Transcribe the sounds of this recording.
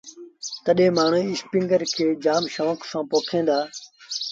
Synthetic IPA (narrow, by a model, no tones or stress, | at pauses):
t̪əɗẽːmaːɳ̤ũːɪspɪ̃ŋɡəɾkʰeːd͡ʒaːmʃoːəksãːpoːkʰẽːnd̪aː